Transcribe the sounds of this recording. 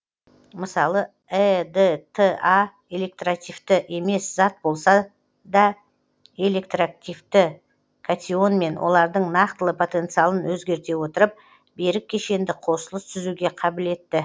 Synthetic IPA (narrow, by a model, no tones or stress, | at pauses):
məsɑlˠə | ed̪et̪ʰəa | e̞le̞k̚t̪rakt̪ʲijft̪ɪʔe̞me̞sz̥ɑt̪̚bo̞lˠsɑ | d̪ɑ | e̞le̞k̚t̪roak̚t̪ʲijft̪ɪ | kʰat̪ʲio̞nme̞nwʔo̞̰lˠɑɾd̪əɴnɑqt̪əlˠəpʰo̞t̪e̞nt̪sɨjalˠənwɵzɡʲe̞ɾt̪e̞wo̞t̪əɾəp̚ | be̞ɾɪk̚ʲʰːe̞ʃe̞nd̪ɪqʰo̞səlˠəst̪ʰʏzuɡʲe̞qʰɑbɪle̞t̪ːɪ